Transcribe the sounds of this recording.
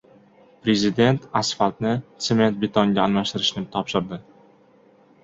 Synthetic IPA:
pɾe̞zɪd̪e̞nt̪ʰasfat̪nɪt̪seme̞nt̪̚bɪt̪ʰɒŋɡʲaːnmaʃt̪ɪɾɪʃnɪt̪ʰɒpʃɪɾd̪ɪ

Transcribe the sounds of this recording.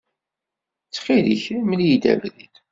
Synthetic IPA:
t͡sːχiliçmljid̪æ̰vɾid̪

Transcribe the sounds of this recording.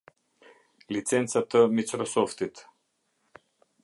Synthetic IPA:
lit̪sɛnt̪sat̪əmit̪sɾɔsɔft̪it̪

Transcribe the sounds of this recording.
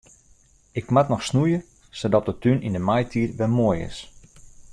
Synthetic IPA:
ɪkmatnɔxsnujə | sodɔt̚dətynindəmajtʰiətʋɛlˠmoəjɪ̰s

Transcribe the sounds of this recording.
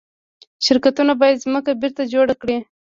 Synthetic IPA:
ʃɪɾkat̪unabɑjad̪zməkabɪɾt̪ad͡ʒoɽakɽi

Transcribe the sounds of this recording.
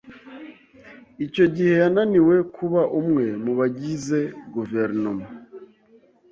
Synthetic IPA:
ico̞ɟihe̞jananiwe̞kʰuβaʔumŋe̞muβaɟize̞ɡuveɾnoma

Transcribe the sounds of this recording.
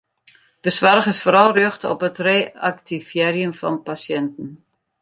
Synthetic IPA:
d̥əsʋarχɪsfoːɾɑlˠrʏχtɔ̰pətreːak̚tifjɛːɾiəmfɑ̰npasjɛntən̩

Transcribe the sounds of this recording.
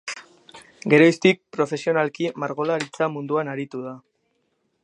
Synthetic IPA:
ɡe̞ɾo̞jst̪ik̚pɾo̞fe̞sio̞nalkimaɾɣo̞laɾit͡samund̪uanaɾit̪uða

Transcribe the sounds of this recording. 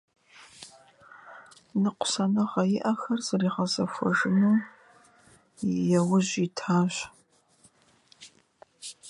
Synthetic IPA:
nɨqʷʊ̥sɐnɐʁɐjɪʔɐxɐrz̥ɨriːʁɐzɐfʷɔ̰ʒɪnuː | jɛwʊʑitʰaːɕ

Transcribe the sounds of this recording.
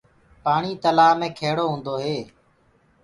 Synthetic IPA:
paːɳiːt̪əlaːmẽːkʰeːɽoːɦũːnd̪oːɦeː

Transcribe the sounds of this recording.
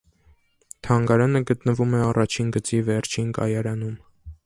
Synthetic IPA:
t̪ʰɑŋɡɑɾɑnəɡət̪nəvumɛɑrɑt͡ʃʰinɡət͡sivɛɾt͡ʃʰinkɑ̰jɑɾɑnum

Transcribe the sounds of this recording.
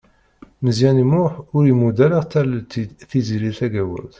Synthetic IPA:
məzjænimʊħʊɾimud̪æləʁt̪ælθiziɾiθæɡæwə̰ɾð

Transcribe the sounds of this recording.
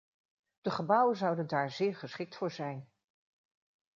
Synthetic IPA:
d̥əχəbɑwənzɑwdəndaːɹzɪːɹχəsχɪk̚tfʊːɹzɛjn

